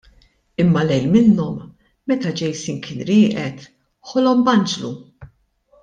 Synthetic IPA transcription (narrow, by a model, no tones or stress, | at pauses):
ɪmːɐlɛjlmɪnːɔmː | ɛt̪ɐd͡ʒɛjsiːnkʰɪːnɾɪːʔɛt̪ | ħɔlɔmbɐnd͡ʒlu